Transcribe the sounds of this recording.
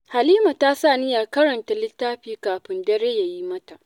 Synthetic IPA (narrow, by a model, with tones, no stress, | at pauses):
ha˨liː˦ma˨ta˦sa˦˨nɪ˦jaː˨kɐ˦ɾɐ˨nta˨lɪ˦tːaː˦ɸiː˦kaː˨ɸɪ˦ndɐ˦ɾe˦ja˨ji˦mɐ˦ta˨ʔ